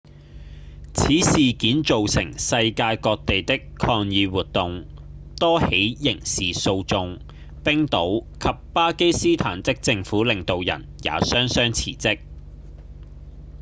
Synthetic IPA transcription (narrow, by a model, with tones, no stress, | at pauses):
t͡sʰiː˨˥siː˨kiː˨˥nt͡so˨wsɪ̰˨˩ŋsɐ˧jkaː˧jkɔː˧k̚t̪e˨jt̪ɪ˥kʰɔː˧ŋjiː˨˧wuː˨t̚t̪ʊ˨ŋt̪ɔː˥he˨˥jjɪ˨˩ŋsiː˨so˧wt͡sʊ˧ŋ | pɪ˥ŋt̪o˨˥wkʰɐ˨p̚paː˥ke˥jsiː˥t̪ʰaː˨˩nt͡sɪ˥k̚t͡sɪ˧ŋfuː˨˥lɪ˨ŋt̪o˨wjɐ̰˨˩nja̰ː˨˥sœː˥ŋsœː˥ŋt͡sʰḭː˨˩t͡sɪ˥k̚